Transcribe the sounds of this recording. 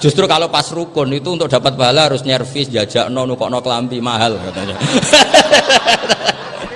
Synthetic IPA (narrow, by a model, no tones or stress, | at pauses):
d͡ʒ̥ust̪ɾukalopasrukʊnit̪uːnt̪ʊk̚d̥a̤pat̪̚baɦalaɦaɾʊsnɛrfɪsdiad͡ʒ̥aʔnɔnukɔ̰ʔnɔkəlampimaɦalbat̪ad͡ʒa